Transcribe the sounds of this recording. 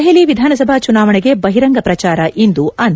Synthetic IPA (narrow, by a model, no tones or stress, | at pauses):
ɦeliʋid̪ʱaːnɐsɐbʱat͡ʃunaːʋɐɳɛɡe̞bɐɦiɾɐŋɡɐpɾɐt͡ʃaːɾɐʔind̪uʔɐn